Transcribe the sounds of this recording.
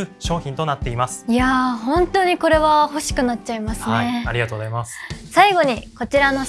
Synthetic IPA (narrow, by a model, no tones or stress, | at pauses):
ɯɕo̞ːçʲĩnt̪o̞nat̪ːe̞imasɨ̥ijaɦõ̞nt̪o̞ɲ̟iko̞ɾe̞βaho̞ɕi̥kɯ̟nat̚t͡ɕːaimasɨne̞aɾʲiɡat̪oːɡozaimasɨ̥saiɡo̞ɲ̟iko̞t͡ɕiɾano̞